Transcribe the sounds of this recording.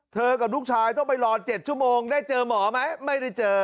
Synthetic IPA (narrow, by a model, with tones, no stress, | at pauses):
t̪ʰəː˧˩kaː˨˩ɗu˦˥k̚sʰaː˧jt̪o˧˦˥ma˧˩jlɔː˧nt͡ɕe˨˩t̚t͡ɕu˧˦mo˧ŋɗaː˧˩jt͡ɕəː˨˩mɔ˨˩˦ma˨˦jma˦˥jɗi˧t͡ɕəː˨˧˩